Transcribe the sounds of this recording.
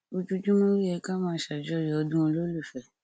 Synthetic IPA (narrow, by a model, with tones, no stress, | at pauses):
o˧tu˦tũ˦mõ˦ɾi˦ɛ˧ka˦mãː˦ʃa˨d͡ʒɔ˦˨ɾi˨ɔ˧dũ˦o˧lo˦lu˦˨fɛ˨˦˨